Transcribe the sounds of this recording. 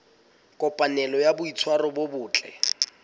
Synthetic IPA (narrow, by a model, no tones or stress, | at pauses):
kʼɔpʼanɛlɔjabʊit͡sʰwarɔbʊbʊːt͡ɬʼɛ̰